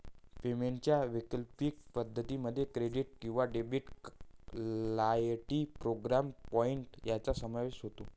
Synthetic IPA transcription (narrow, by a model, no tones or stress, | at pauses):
femeɳt͡ɕjaʋikəlpiːk̚pəd̪ʱːət̪iməd̪ʱːjekɾeɖiʈ̚kĩw̃ʋaɖebiʈ | lajʈipɾoɡɾampɔiɳʈjat͡sasəmaʋesɦot̪o